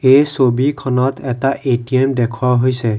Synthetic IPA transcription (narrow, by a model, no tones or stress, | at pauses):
esobʱikʰɔnɔt̪ɛtaʔeʈiemd̪ekʰwaɦojse